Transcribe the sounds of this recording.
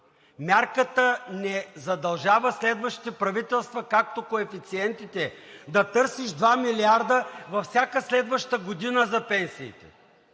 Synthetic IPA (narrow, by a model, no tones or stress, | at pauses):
mʲjaɾkət̪ənɛzɐd̪ɐlˠʒavəslɛd̪vəʃt̪it̪ɛpɾɐvit̪ɛlˠst̪vɐkak̚t̪okoɛfit̪siɛnt̪it̪ɛd̪ɐt̪ɤɾsiʃd̪vamiliaɾd̪əvɐfsʲakəslɛd̪vɐʃt̪əɡod̪inəzɐpɛnsḭːt̪ɛ̰